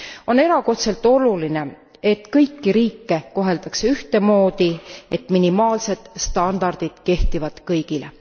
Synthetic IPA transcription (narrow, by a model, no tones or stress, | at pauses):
o̞ne̞ɾɑko̞t̪se̞lt̪ːˑo̞luline̞ | e̞t̪ːkɤjkːiɾiːkˑːe̞ko̞ɦe̞ld̪̥ɑkseyht̪e̞mo̞ːd̪iet̪ːˑminimɑːlse̞d̪̥st̪ɑnd̪̥ɑrd̪̥id̪̥ke̞ht̪ivɑd̪̥kɤjɡile